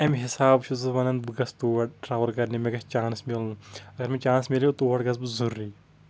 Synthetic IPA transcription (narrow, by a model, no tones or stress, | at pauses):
ɐmɦisaːbʃʰuzɨʋɐnɐnbɨɡɐst̪uːɐʈ̚ʈɾaːʋɐɾkɐɾnimeɡɐst͡ʃaːnsmilnɐɡɐɾmet͡ʃaːnsmʲiljot̪uːʋɐʈɡɐs̬bɨzuɾːiː